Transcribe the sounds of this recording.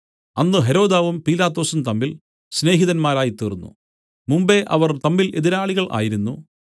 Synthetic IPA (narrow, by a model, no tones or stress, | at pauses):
ɐnːɨɦe̞ɾo̞ːd̪aːʋumpiːlaːt̪ːo̞ːsumt̪ɐmːil | sne̞ːɦiðɐnmaːɾaːjit̪iːrunːṵ | mumbe̞ʔɐ̰ʋɐrt̪ɐmːile̞ðiɾaːɭiɣɐɭʔa̰ːjiɾunːu